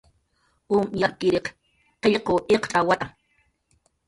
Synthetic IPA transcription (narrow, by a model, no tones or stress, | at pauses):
ʔumjakɪɾeq | qeʎqoʔeqt͡ɬʼawat̪ʼa